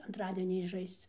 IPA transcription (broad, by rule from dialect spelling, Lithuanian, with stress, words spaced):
ɐntˈrɑːdʲiɛnʲɛɪzˈʒɐɪst͡s